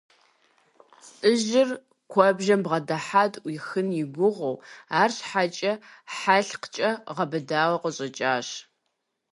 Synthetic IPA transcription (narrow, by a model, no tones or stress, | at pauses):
t͡sʼɨʒɪr | kʷʰɔbʒɐmbʁɐdɐħaːtʼwiːxɨnjɪɡʷʊʁʷowaːrɕħat͡ʃʼɐħaɬqt͡ʃʼɐʁɐbɨdaːwɐqəɕʼɐt͡ʃʼaːɕ